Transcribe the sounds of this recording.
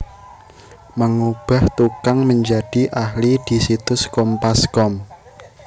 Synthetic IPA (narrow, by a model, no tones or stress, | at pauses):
maŋub̥a̤ht̪ukaŋməɲd͡ʒad̥i̤ʔahlid̪̥i̤sit̪ʊskɔmpaskɔm